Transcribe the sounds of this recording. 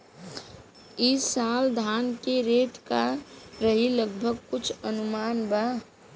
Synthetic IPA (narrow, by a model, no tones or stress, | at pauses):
ɪsaːld̪ʱaːnkeɾeːʈ̪kaɾəɦiləɡbʱəɡ̚kʊt͡ʃʰənʊmaːnba